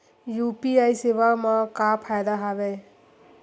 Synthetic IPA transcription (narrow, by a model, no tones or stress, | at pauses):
jupiajseʋamãkapʰajd̪aɦabe